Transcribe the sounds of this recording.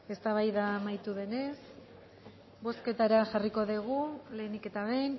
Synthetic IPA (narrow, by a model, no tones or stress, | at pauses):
e̞st̪aβajðamajt̪uðe̞ne̞s | bo̞ske̞t̪aɾaʝariko̞ðiɣ̞ule̞ːnike̞t̪aβen